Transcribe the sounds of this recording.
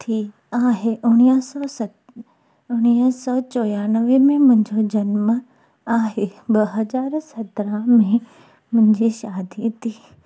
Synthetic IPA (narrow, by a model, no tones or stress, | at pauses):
t̪ʰi | aːɦeʔʊɽ̃isɔs | ʊɽ̃isɔːt͡ɕɔːjaːnəʋemẽmʊ̃ɦɪ̃ɲd͡ʑod͡ʑɐnmə | aːɦebɐɦɐzaːɾsɐt̪ɾamẽ | mʊ̃ɦɪ̃ɲd͡ʑiʃaːd̪ʱit̪ʰiː